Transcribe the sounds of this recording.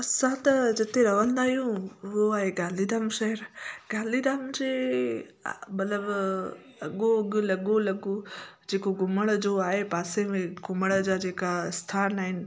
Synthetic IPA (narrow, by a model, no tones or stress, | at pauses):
ɐsãt̪ɐd͡ʑɪt̪eɾɐʋə̃nd̪aːɦijũʋoaːɦeɡaːlid̪aːmʃɐɦəɾɡaːlid̪aːmd͡ʑe | mɐt̪ləb | ɐɠoɐɡʊlɐɠolɐɡod͡ʑeːkoɡʊməɽ̃d͡ʑoaːɦepaːsemẽɡʊməɽ̃əd͡ʑaːd͡ʑeːkaɪst̪ʰaːnaːɦɪnɪ̆